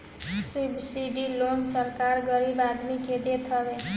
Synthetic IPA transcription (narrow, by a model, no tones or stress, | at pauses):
sibsiɖilonsəɾkaɾɡʌɾibad̪miked̪et̪ʰʌbe